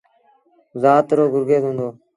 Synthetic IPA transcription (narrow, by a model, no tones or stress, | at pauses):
zaːt̪ɾoːɡʊɾɡeːzɦõːnd̪oː